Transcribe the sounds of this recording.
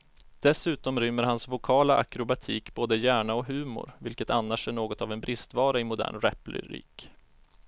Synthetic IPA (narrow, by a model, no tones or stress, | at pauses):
d̪̥ɛsʉ̟ːt̪ɔmɾʏmːəɾhansvʊkʰɑːlaʔa̰kɾʊbat̪ʰiːkboːd̪əjæːɳaɔɦʉ̟ːmʊ̰ɾvɪlkət̪anːaʂæɳoːɡɔt̪avɛnbɾɪst̪vɑːɾaɪmʊd̪æ̰ːɳɾɛ̰plɪ̰ɾḭːk